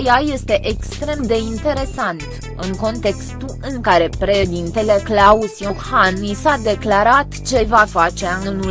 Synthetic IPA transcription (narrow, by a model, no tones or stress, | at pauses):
jaje̞st̪e̞ʔekst̪ɾe̞md̪e̞int̪e̞ɾe̞sant̪ | ɨŋko̞nt̪e̞kst̪uʔɨŋkaɾe̞pɾe̞ʃd̪int̪e̞le̞klausjokhanisad̪e̞klaɾat̪t͡ʃe̞vafat͡ʃeanunu